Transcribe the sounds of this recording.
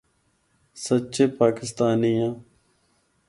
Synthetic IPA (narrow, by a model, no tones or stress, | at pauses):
sətːt͡ʃeːpaːkɪst̪aːnijãː